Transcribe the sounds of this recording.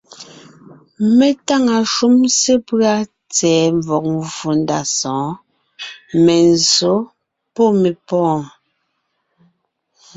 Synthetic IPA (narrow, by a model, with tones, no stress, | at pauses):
me˨ta˦ŋa˨ʃu˦mse˦pɰa˦ | t͡sɛː˨ɱ˨vɔ˨k̚vu˨nda˨sɔ̃ː˨˦ | mɛ˨n˨zo˨˦ | pɔ˦me˨pɔ̃ː˦˨